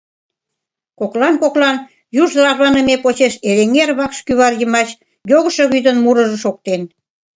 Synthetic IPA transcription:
koklɑnkoklɑn | juʒd̪əlɑʒβɑnə̆mepot͡ɕeʃeleŋerβɑkʃkyβɑrjəmɑt͡ɕ | joɣə̆ʃŏɣyd̪ənmuɾə̆ʒə̆ʃok̚t̪en

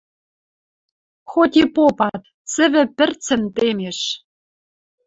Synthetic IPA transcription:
xot̪ʲipopɑt̪ | t͡sɘ̆βɘ̆pɘ̆rt͡sɘ̆nt̪emeʃ

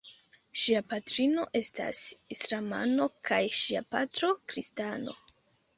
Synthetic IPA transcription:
ʃiapatɾino̞ʔe̞sta̰sislama̰no̞kʰajʃiapatɾo̞kɾistano̞̰

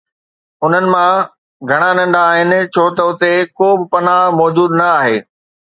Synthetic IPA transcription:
ʊn̤ənɪ̆mã | ɡʱɐɽ̃anɐ̃ɳɖaːɦɪnɪ̆t͡ɕʰoːt̪ɐʊt̪ekoːbɪ̆pɐnamɔːd͡ʑuːd̪nɐaːɦeː

